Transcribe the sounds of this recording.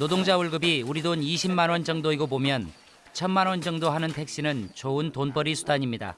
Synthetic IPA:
nodoŋd͡ʑauɭɡɯbiuɾidoniɕʰimmanwʌnd͡ʑʌŋdoiɡobomjʌn | t͡ɕʰʌnmanwʌnd͡ʑʌŋdoɦanɯntʰe̞k̚ɕ͈inɯnt͡ɕoɯntonpʌɾisʰudaɲimɲida̰

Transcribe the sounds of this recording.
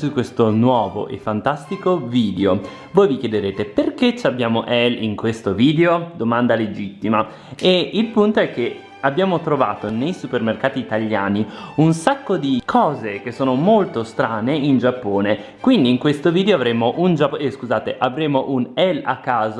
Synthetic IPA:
sukːwest̪onwɔːvo̰ʔḛfːant̪ast̪ikoviːd̪eo | voːjvikjed̪eɾeːt̪eperket͡ʃːabːjaːmoʔɛliŋkwest̪oviːd̪eod̪omand̪aled͡ʒit̪ːima | eilpunt̪oɛk̟ːe | abːjaːmot̪ɾova̰ːt̪onejsupermerkaːt̪iːt̪aʎːa̰ːniunsakːod̪ikʰɔːzekesːoːnomolt̪ost̪ɾaːneind͡ʒapːoːne | kwind̪iːŋkwest̪oviːd̪eoavɾeːmoʔund͡ʒapːeskuzaːt̪eʔavɾeːmoʔunɛla̰kːaːz

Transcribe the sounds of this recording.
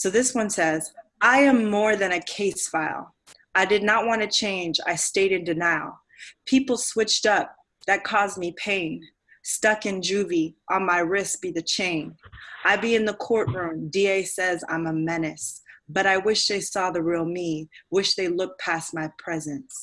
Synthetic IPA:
soʊðɪswʌ̃nsɛzaɪɨ̃mːɔɹðɨ̃nɨkʰeɪsfaɪlˠ | aɪdɨdⁿnət̚wɑ̃nɨt͡ʃʰẽɪ̃nd͡ʒa̰ɪsteɪɾɨ̃ndɨnaɪlˠ | pʰipl̩ˠswɪt͡ʃtʌp̚ | ðɨt̚kʰɔzmipʰẽɪ̃n | stʌkɨ̃nd͡ʒʉviʔə̃nmaɪɹɪsb̥iðɨt͡ʃʰẽɪ̃nʔaɪbiɨ̃nðəkʰɔɹʔ̚ɹʉ̃mdieɪsɛzã̰ɪ̃məmɛnɨsb̥ʌɾaɪwɪʃðeɪsɔðɨɹilˠmiwɪʃðeɪlʊk̚pʰæsmaɪpʰɹ̥ɛzɨ̃ns

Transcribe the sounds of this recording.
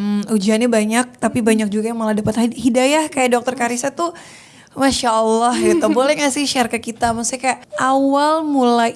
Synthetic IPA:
ud͡ʒiɦanabaɲak̚t̪apibaɲak̚d͡ʒuɡajaŋmalahdapat̪hidajahkajaʔdok̚t̪ərkaɾisat̪u | maʃaːlːɔhɡit̪obolɛhŋasɪhʃɛrkəkit̪amast̪ikajaʔʔawalmulaj

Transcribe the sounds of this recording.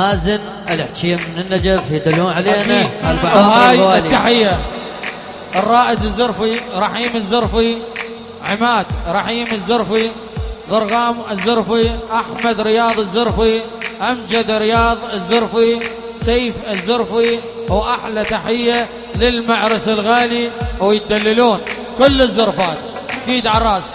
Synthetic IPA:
aːzɪn | ɪlɪħt͡ʃ̪iːammɪnɪnːad͡ʒafjɪd̪ɪlːuːnʕaleːnahalbaʕhaːjwaːliːaħɪjːa | rˤːɑːʔɪd̪ɪzːʊɾˤfiɾˤɑħiːmɪzːʊɾˤfi | ʕɪmaːd̪ɾˤɑħiːmɪzːʊɾˤfi | ðˤɨɾˤɣɑːmɪzːʊɾˤfiʔaħmad̪ɾɪjɑːðˤɪzːʊɾˤfi | ʔamd͡ʒad̪ɾɪjɑːðˤɪzːʊɾfi | saːfɪzːʊɾfi | wʔaħlat̪aħɪjːa | lɪlmaʕɾɪsɪlɣaːliwjɪt̪̚d̪alːaluːn | kʊlːɪzːʊɾˤfaːt̪ | ʔakiːd̪ʕarˤɑːs

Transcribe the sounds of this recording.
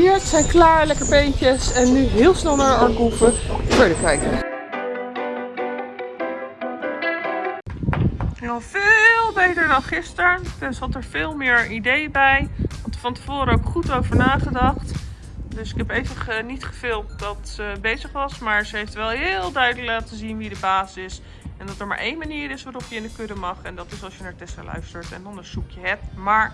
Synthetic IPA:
ɪɹtsɛjnklaːɹlɛkəɹpejncəsɛnːyɦɪːlˠsnɛlˠnadəɑɹkufəfəɹdəkɛjk | javɪlˠbejtəɹdɑnχɪstəɹtɛnsɦɑtəɹvɪːlˠmɪːɹidejbɛjʋɑntəfɑntəv̥ʊːɾəowkχutowvəɹnaːχədɑχt | dɵsɪkɦɛpejvəχənitχəvɪːlˠt̚dɑtːəbejzəχʋɑsmaːɹzəɦejftʋɛlˠɦɪːlˠdœɥdələklaːtəzinʋidəbaːsɪs | ɛndɑtəɹma̰ːɹʔejnmaniːɾɪsʋaːɾɔpjəɪndəkødəmɑχɛndɑtɪsɑlˠsʃjənaːɹtɛsəlœ̰ɥstəɹtɛ̰nɔndəsukjəɦɛp̚tmaːɹ

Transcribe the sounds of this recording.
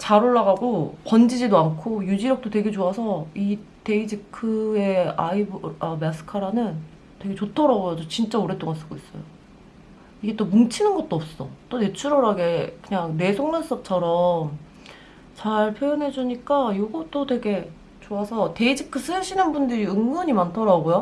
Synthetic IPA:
t͡ɕaɾoɭːaɣaɡopʌnd͡ʑid͡ʑidoankʰojud͡ʑiɾjʌk̚t͈otwe̞ɡe̞t͡ɕoasʰʌite̞id͡ʑikʰɯe̞a̰ibamas͈ʰɯ̥kʰaɾanɯn | twe̞ɡe̞t͡ɕotʰʌɾaɡojad͡ʑot͡ɕint͡ɕ͈aoɾe̞t͈oŋas͈ɯɡois͈ʌjo | iɡe̞t͈omuŋt͡ɕʰinɯnɡʌt̚t͈oʌp̚s͈ʌt͈one̞t͡ɕʰuɾʌɾaɡe̞kɯɲaŋne̞sʰoŋnʌns͈ʌp̚t͡ɕʰʌɾʌm | t͡ɕaɭpʰjojɯnɦe̞d͡ʑuɲik͈ajoɡʌt͈otwe̞ɡe̞ | t͡ɕoasʰʌte̞id͡ʑikʰɯs͈ʰɯɯɕʰinɯnbundɯɾiɯŋɡɯɲimantʰʌɾaɡojo

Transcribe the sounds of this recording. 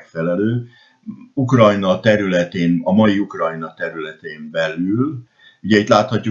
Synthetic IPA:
kfɛlɛløː | ukrɒjnɒt̪ɛɾylɛt̪eːnɒmɒjiukrɒjnɒt̪ɛɾylɛt̪eːmbɛlyl | uɟɛit̪laːt̪hɒcːu

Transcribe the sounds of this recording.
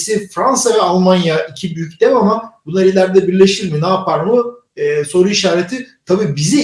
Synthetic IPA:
sɛfɾansavɛalˠmanjaicʰibyjycd̪ɛmamabunˠaɾilʲæɾd̪ɛbiɾlʲeʃiɾminaːpʰaɾmɯ | ɛːso̞ɾuiʃaːɾet̪ʰit̪ʰabiːbizi

